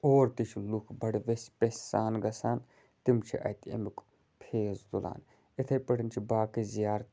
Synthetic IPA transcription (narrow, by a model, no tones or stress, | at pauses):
oːɾt̪it͡ʃʰlukʰbɐɽʋesʲpesʲsaːnɡɐsaːn | t̪imt͡ʃʰḭʔɐ̰t̪ɐ̰mik | pʰeːzd̪ula̰ːn | it̪ʰɐjpɐʈnt͡ʃʰibaːkizijaːɾt̪